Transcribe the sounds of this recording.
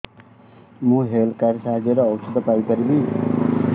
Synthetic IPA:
mũɦelkaɾjsaɦd͡ʒeɾʌːwsʰʌd̪ʌpaikʌɾibi

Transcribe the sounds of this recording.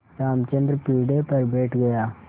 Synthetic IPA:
ɾaːmt͡ʃə̃nd̪ɾpiːɖeːpɐɾbeːʈʰɡɐjaː

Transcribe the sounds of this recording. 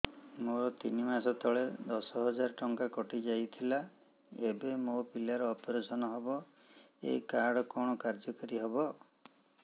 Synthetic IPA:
moɾɔt̪inimasɔt̪ɔɭed̪ɔsɔɦɔd͡ʒaɾɔʈɔŋkakɔʈid͡ʒajt̪ʰila | ebemopilaɾɔːpɔɾesɔnɔɦɔbɔ | ḛikaɽɔkɔɽ̃ɔkaɾd͡ʒɔkɔɾiɦɔbɔ

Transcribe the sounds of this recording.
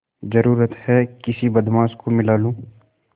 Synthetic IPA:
zɐɾuːɾət̪hɛkɪsibɐd̪maːskomɪlaːlũː

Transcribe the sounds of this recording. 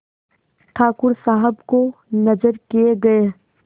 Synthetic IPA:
ʈʰaːkʊɾsaːɦəbkonɐd͡ʒəɾkijeɡɐe

